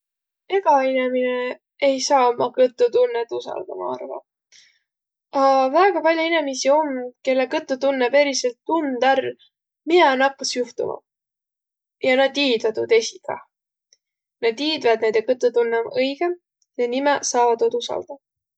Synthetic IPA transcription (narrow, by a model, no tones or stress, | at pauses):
e̞ɡ̥ɑinemine | ejsɑːomɑkɤt̪ːˑut̪unːet̪ːusɑ̰ld̪̥ɑ̰mɑ̰ɑ̰rvɑ̰ | ɑvæːɡ̥ɑpɑlʲjoinemisio̞mke̞lːekɤt̪ːˑut̪unːepe̞ɾiselt̪ːund̪̥ær | minɛnɑkːɑsjuht̪ṵmɑ̰ | jɑnɑd̪iːd̪vɑt̪ud̪e̞sikɑ̰ | nɑd̪iːd̪vɑd̪̚ned̪̥ekɤt̪ːˑut̪unːemɤjɡ̥e | jenimesɑːvɑd̪od̪usɑ̰ld̪̥ɑ